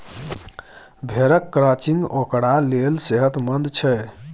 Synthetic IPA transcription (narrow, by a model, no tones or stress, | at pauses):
bʱeɾəkːɾat͡ʃĩŋɡokɽalelseɦət̪mənd̪t͡ʃʰɛ